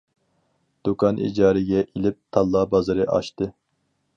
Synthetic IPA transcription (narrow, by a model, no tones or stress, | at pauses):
d̪̥ukʰɑnʔḭd͡ʒɑːɾɨɡʲɛʔilɪp̚t̪ʰɑlˠːɑbɑzɨɾɨʔɑ̰ʃt̪ɨ